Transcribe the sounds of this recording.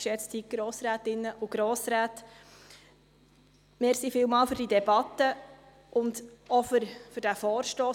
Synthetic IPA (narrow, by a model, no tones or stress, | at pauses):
ʃɛt͡sthiɡ̥ɾɔːsɾæːt̪ɪnːəʔʊɡ̥ɾɔːsɾæːt | meːɾsifɪːlmɑːlføɾdidɛbɑt̪ːə | ʔʊnd̪ɔfɾfyɾdæfɔːɾʃtɔː